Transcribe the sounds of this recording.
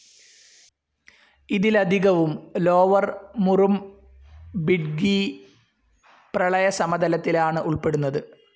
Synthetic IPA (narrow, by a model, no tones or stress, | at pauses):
iðilɐd̪ʱiɣɐʋumlo̞ːʋɐrmurum | biɖɡi | prɐɭɐjɐsɐmɐd̪ʱɐlɐt̪ːilaːɳɨʔuɭpe̞ɽunːɐðɨ